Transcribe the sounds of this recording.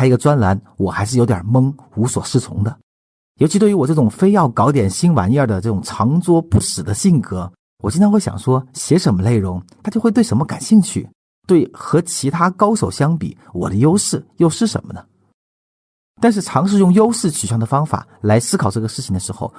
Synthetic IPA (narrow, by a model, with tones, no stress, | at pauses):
a˥i˧˥ɡə˧t͡swa˥nla˧˥n | wɔ˨˩xa˧˥ɪʂɻ̩˥˩jo˧˥jə̰˨˩mɤ˥ŋ | u˧˥swɔ˨˩ʂɻ̩˥˩t͡sʰʊ̰˧˥ŋd̪ə˧ | jo˧˥t͡ɕʰi˧t̪we˥˩y˧˥wɔ˨˩ʈ͡ʂɤ˥˩ʈ͡ʂʊ˨˩ŋfe˥ɪjɑ˥˩ʊkɑ˧˥ʊt̪jɛ˨˩nɕi˥nwa̰˧˥njə˞˥˩d̪ə˩ʈ͡ʂɤ˥˩ʈ͡ʂʊ˨˩ŋʈ͡ʂʰɑ˧˥ŋt͡swɔ˥pu˥˩ʂɻ̩˨˩d̪ə˦ɕi˥˩ŋkɤ˧˥ | wɔ˨˩t͡ɕi˥nt̪ʰnxwe˥˩ɪɕj̰ŋʂwɔ˥ɕjɛ˧˥ʂə˧˥nmə˧ne˥˩ɪɻʊ˧˥ŋt̪ʰa˥t͡ɕjo˥˧xe˥˧t̪wɪʂə˧˥mə˧ka̰˨˩nɕi˥˧ŋt͡ɕʰy̰˥˩ | t̪we˥˩ɪxɤ˧˥t͡ɕʰi˧˥t̪ʰa˥kɑ˥ʊʂo˨˩ʊɕjɑ˥ŋpḭ˨˩ | wɔ̰˨˩d̪ə˦jo˥ʊʂɻ̩˥˩jo˥˧ʊʂɻ̩˥˩ʂə̰˧˥nmə˧ə˩ | t̪a˥˧nʂ̬ɻ̩˥˩ʈ͡ʂʰɑ˧˥ŋʂ̬ɻ̩˥˧jʊ˥˩ŋjo˥ʊʂɻ̩˥˩t͡ɕʰy˨˩ɕjɑ˥˩ŋd̪ə˩fɑ˥ŋfa̰˨˩la˧˥ɪsɹ̩˥kʰɑ˨˩ʊʈ͡ʂɤ˥˩ɡə˩ʂɻ̩˥˩t͡ɕʰi˨ŋd̪ə˩ʂɻ̩˧˥xo̰˥˧ʊ